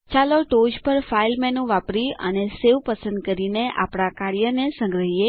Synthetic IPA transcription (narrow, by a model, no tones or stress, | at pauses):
t͡ʃaloʈod͡ʒpəɾfailmɛnũʋapɾiə̰neseʋpəsə̃nd̪kəɾineʔa̰pɽ̃akaɭjənesə̃ŋɡɾəɦije